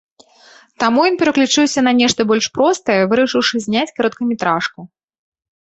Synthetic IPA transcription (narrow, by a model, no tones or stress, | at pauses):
t̪amujɔnpʲɛɾɐklʲut͡ʂɨwsʲɐnɐnʲɛʂt̪ɐbɔlʲʂpɾɔst̪ɐjɐvɨɾɐʂɨwʂɨzʲnʲat͡sʲkaɾɔt̪̚kɐmʲɪt̪ɾaʂku